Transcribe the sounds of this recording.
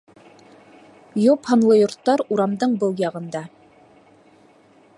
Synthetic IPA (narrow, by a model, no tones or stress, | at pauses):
jophɤ̆nlˠɤjŏɾt̪ːɑɾuɾɑmd̪ɤɴbɤlˠjɑʁɤ̆nd̪ɑ